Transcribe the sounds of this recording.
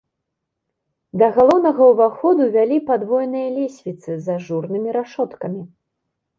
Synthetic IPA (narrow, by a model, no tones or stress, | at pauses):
d̪ɐɣalˠɔwnɐɣɐwvaxɔd̪uvʲalʲipad̪vɔjnɨjɐlʲesʲvʲit̪sɨzaʐurnɨmʲiɾaʂɔt̪kɐmʲi